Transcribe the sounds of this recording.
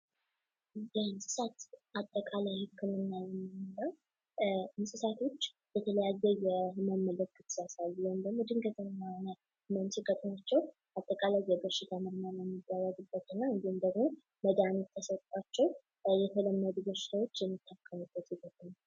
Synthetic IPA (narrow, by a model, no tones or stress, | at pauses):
jɛnsʼɨsat̪ʔat̪ʼːəkʼalajhɨkʰːɨmɨnːajɛmːɨmɨləw | msʼɨsat̪ʰo̞t͡ʃː | bɛt̪ʰələjazːɛjɛməmːələkʰʼːɨt̪sasalːjomd̪əɡmod̪ɨŋɡət̪ʼəmɨnːahonə | mənsɨɡət̪ʼnat͡ʃːɛw | at̪ʼːəkʼalajːɛbəʃɪt̪ʰaməɾmənəmːɨd̪ːawaɡɨbːət̪ɨnːaɨnd̪emd̪əɡmo̞ | məd̪anot̪ʰːəsət̪ʼat͡ʃːɛw | jɛt̪ʰələmːəd̪ubəɾʃɪ̥t̪ʰawo̞t͡ʃːjɛmːit̪ʰːakʰːəmubːət̪iɡət̪ʼna